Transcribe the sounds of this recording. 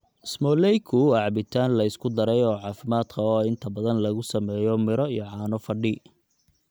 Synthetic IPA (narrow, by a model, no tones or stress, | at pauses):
ɪsmɔːlɛjkʰʊɑʕɑbɪt̪ʰaːnlɐɪskʰʊd̪ɐɾɛjɔːʕɑːfɪmaːd̪kʰɐɔːɪnt̪ʰɐbɐðɐnlɐɣʊsɐmɛːjɔmɪɾɔijɔʕɑːnɔfɐɖɪ